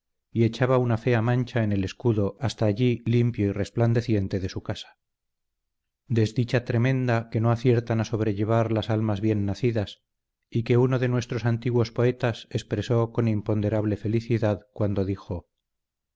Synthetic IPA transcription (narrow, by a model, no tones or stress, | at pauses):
ie̞t͡ʃaβaunafe̞amãnt͡ʃae̞ne̞le̞skuðo̞ast̪aːʎilimpjo̞ire̞spland̪e̞θje̞nt̪e̞ðe̞sukasḁ | d̪e̞zðit͡ʃat̪ɾe̞mẽ̞nd̪ake̞no̞aθje̞ɾt̪anaso̞β̞ɾe̞ʎe̞β̞aɾlasalmazβje̞nːaθiðas | ike̞uno̞ðe̞nwe̞st̪ɾo̞sant̪iɣwo̞spo̞e̞t̪ase̞spɾe̞so̞ko̞nimpo̞nd̪e̞ɾaβ̞le̞fe̞liθiðaðkwand̪o̞ðixo̞